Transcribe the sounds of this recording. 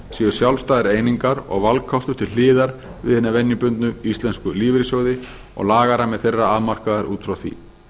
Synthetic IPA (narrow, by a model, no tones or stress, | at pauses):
siːʏ̥sjawlst̪ajðɪɾeːjniŋkaɾɔ̰ɣvalkkʰːɔft̪ʏ̥t̪ʰɪllɪːðaɾ | vɪ̰ðhɛnːavɛnjʏpʏnt̪nʏist̪lɛnskʏliːvɾɪsoːwðɪ | ɔ̰ɣlaːɣaɾamɛðθejrːaaðmar̥kaðaɾuːt̪fɾawθḭ